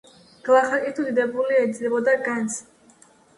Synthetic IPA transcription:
ɡ̥lˠaχakʼit̪ʰuid̪ɛbuliɛd̪zlibɔd̪aɡant̪sʰ

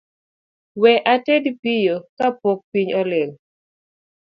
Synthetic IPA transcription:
wɛʔatedpijokapɔk̚piɲɔleŋ

